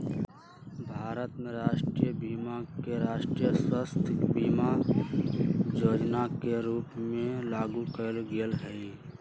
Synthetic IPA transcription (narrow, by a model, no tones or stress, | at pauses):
bʱaːɾət̪mẽɾaːʃʈɾijəbiːmakeɾaːʃʈɾijəswəst̪ʰbiːma | joːd͡ʒnakeɾuːpmẽlaːɡukəlɡiəlɦɛi